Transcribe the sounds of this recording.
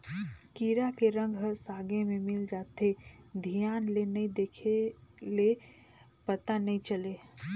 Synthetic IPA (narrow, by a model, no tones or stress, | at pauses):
kiːɾakeɾə̃ŋɡʱɦəsaːɡemẽmɪld͡ʒaːt̪e | d̪ʱijaːnlenɐĩd̪eːkʰele | pət̪anɐɦĩt͡ʃəleː